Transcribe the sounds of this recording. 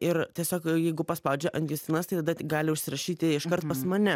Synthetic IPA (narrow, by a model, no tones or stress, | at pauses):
ɪɾt̪ʲiɛsʲoːkjɛɪɡʊpɐspɐʊd͡ʒʲɛʔɐnʲɡ̪ʲist̪ʲɪnɐst̪ɐɪt̪ɐd̪ɐtʲɡɑːlʲɪʊʃʲsʲɪɾɐʃʲiːt̪ʲɪɪʃkɐɾt̪pɐsmɐnʲɛ